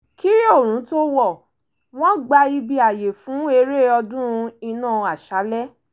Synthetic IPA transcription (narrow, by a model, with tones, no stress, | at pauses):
ki˦o˦˨ɾ̃ũ˨˦to˦wɔ˦˨ | w̃ɔ̃˦ɡ͡ba˧i˧bi˧a˨je˨fũ˨˦e˧ɾe˦˨ɔ˧dũ˦˧i˧nãː˦˨a˨ʃa˨˦lɛ˦